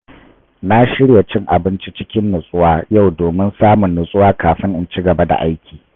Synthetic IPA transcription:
na˦ʃɪ˦ɽja˨t͡ʃɪ˦ŋʔa˨bɪ˦nt͡ʃi˦t͡ʃɪ˦kʲɪ˦nːʊ˨sʼʊ˦waː˦ja˦˨wdoː˨mɪ˦nsaː˦mʊ˨nːʊ˨sʼʊ˦waː˦kaː˨ɸɪ˦ŋʔɪ˦nt͡ʃi˦ɡɐ˨ba˦da̰˨ʔa˦jkʲʰiː˨

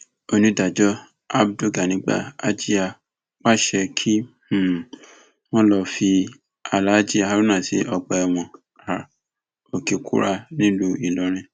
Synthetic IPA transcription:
o˧nĩ˧da˨d͡ʒɔ˦ | a˦bdo˦˨ɡa˨nĩ˨˦ɡ͡ba̰˦˨a˦d͡ʒi˦a˧ | k͡pa˦ʃɛ˧kʰi˦˨ | w̃ɔ̃˦lɔ˧fi˧ | a˧˨la˨˦d͡ʒi˦a˧a˧ɾu˦nã˦˨si˨˦ʔɔ˧ɡ͡bɔ˧ɛ˧˨w̃ɔ̃˨ | a˨ | o˨ke˨kʰṵ˦ɾa˧nĩ˦lu˦i˦˨lɔ˨˦ɾ̃ĩ˧

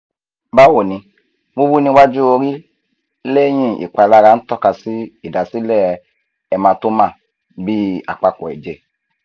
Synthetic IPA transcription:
ba˦wo˨nĩ˧ | wu˦bu˦nĩ˧wa˦d͡ʒu˦o˧ɾi˦ | le˦jĩ˦ḭ˨k͡pa˨la˧ɾa˨˦n̩˦tɔ˦ka˧si˦i˨da˨si˦lɛ˦ | ɛ˧mã˧to˦mã˦˨ | bi˦a̰˨k͡pa˧kɔ˨ɛ̰˨d͡ʒe˧

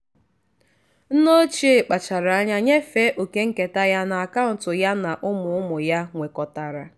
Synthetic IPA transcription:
n̩˦no˦t͡ʃi˦e˨k͡pa˨t͡ʃa˨ɾa˨a˦ɲa˦ɲe˦fe˦ʔo˨ke˦ŋ̩˦ke˨ta˦ja˦na˨a˨ka˦n̩˨tʊ˨ja˦na˨ʔʊ˦mʊ˨ʊ˦mʊ˨ja˦ŋʷe˨kɔ˨ta˨ɾa˨

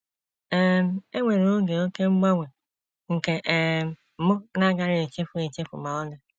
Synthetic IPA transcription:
e˦m̩˦˨e˦ŋʷe˨ɾo˨o˦ɡe˨o˦ke˦ŋ͡m̩˦ɡ͡ba˦ŋʷe˨ | ŋ̩˨ke˨ʔm̩˨˦˨mʊ˦na˦ɡa˨ɾɪ˦e˨t͡ʃe˦fʊ˨e˨t͡ʃe˦fʊ̰˨ma˨ɔ˦ne˦

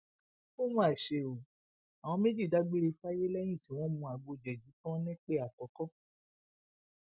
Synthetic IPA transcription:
o˦mãː˦˨ʃe˧o˨ | a˨w̃ɔ̃˧me˦d͡ʒi˦˨da˨˦ɡ͡be˦ɾe˧fa˦je˦lɛ˦j̃ĩ˦˨tĩ˨˦w̃ɔ̃˦mũ˧a˨ɡ͡bo˧˨d͡ʒɛ˨d͡ʒi˨˦tɔ̃˦nɛ̃˦k͡pe˦a˨kɔ˨˦kɔ˦

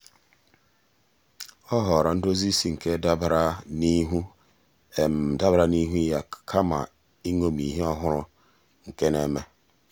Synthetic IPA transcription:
ɔ˦ɦɔ˨ɾa˨n̩˦do˦zi˦si˦ŋ̩˨ke˦da˦bɾa˦ni˦ɦu˦ | e˨m̩˨da˦bɾa˦ni˦ɦu˦ja˦kʰa˦ma̰˨ | i˦ŋo˦mi˨ɦe˦ɔ˦ɦʊ˦ɾʊ˦ | ŋ̩˨ke˦ne˦me˦

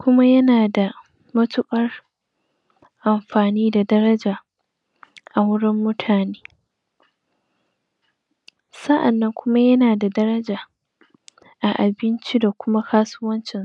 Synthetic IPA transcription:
kʷʊ˦ma˦jɐ˦naː˨da˨ | mɐ˦tʊ˦kʼɐ˦r | ʔa˨mɸaː˨niː˦da˨dɐ˦ɾɐ˦d͡ʒaː˨ | ʔa˨wʊ˦ɽɪ˦mːʊ˦tʰaː˨neː˦ | sɐ˦ʔa˨nːɐ˦ŋkʷʊ˦ma˦jɐ˦naː˨da˨dɐ˦ɾɐ˦d͡ʒaː˨ | ʔa˨ʔa˨bɪ˦nt͡ʃi˦da˨kʷʊ˦ma˦kʰaː˦su˦wɐ˦nt͡ʃɪ˨n˨

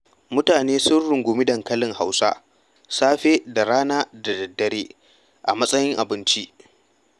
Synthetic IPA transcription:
mʊ˦taː˨neː˦sʊ˦nɽʊ˨ŋɡʷʊ˨mɪ˦dɐ˨ŋkɐ˦lɪ˨ŋha˦wsa̰˦ | saː˦ɸeː˦da˨ɾaː˦naː˦da˨dɐ˨dːɐ˨ɾeː˦ | ʔa̰˨mɐ˦sʼɐ˦jɪ˦ŋʔa˨bɪ˦nt͡ʃi˦ʔ

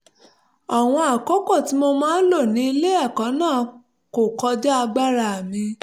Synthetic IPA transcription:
a˨w̃ɔ̃˧a˨ko˦kɔ˦˨ti˨˦mo˧mãː˦n̩˦lo˦˨nĩ˨˦i˧le˦a˦˨kã˨˦nãː˦˨ | ko˨kɔ˧d͡ʒɛ˦a˧ɡ͡ba˦ɾa˧˨a˨mĩ˧

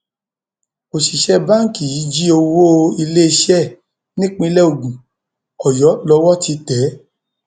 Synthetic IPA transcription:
o˨ʃi˨ʃɛ˦ba˦˨ŋ̩˨ki˨ji˨˦d͡ʒi˦o˧wo˦i˧le˦i˧ʃɛ˦˨ | nĩ˦k͡pĩ˧lɛ˦o˨ɡũ˨ | ɔ˨jɔ˨˦lɔ˧˦wɔ˦tʰi˧tɛ˨˦

